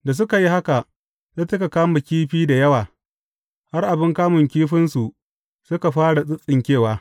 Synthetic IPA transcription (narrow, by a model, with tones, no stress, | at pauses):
da˨s̬ʊ˦ka˨ji˦ha˦ka˨ | ta˦tɐ˦ka˨kaː˦mɐ˨kʲiː˦ɸiː˦da˨jɐ˦waː˨ | ha˦rʔa˨bɪ˦ŋkaː˦mʊ˨ŋkʲiː˦ɸɪ˦nsu˨ | sʊ˦ka˨ɸaː˦ɽa˨sʼɪ˦sʼɪ˨ŋkʲeː˦˨waː˦